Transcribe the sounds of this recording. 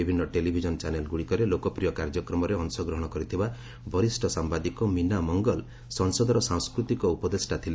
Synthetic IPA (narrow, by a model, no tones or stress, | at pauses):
ibʱinːɔʈelibʱid͡ʒɔnt͡ʃanelɡuɽikɔɾelokɔpɾijɔkaɾd͡ʒɔkɾɔmɔɾeɔŋsɔɡɾɔɦɔɽ̃ɔkɔɾit̪ʰiba | bɔɾisʈʰɔsambad̪ikɔminamɔŋɡɔl | sɔŋsɔd̪ɔɾɔsaŋskɾut̪ikɔupɔd̪esʈat̪ʰile